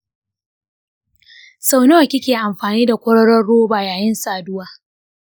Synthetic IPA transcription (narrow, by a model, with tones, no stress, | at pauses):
sa˦˨wno˦a˨kʲɪ˦kʲeː˨ʔa˨mɸaː˨niː˦da˨kʷɔ˦ɽɐ˦ɽɔ˦rːoː˦baː˨jaː˨jɪ˦nsaː˨dʊ˦waː˦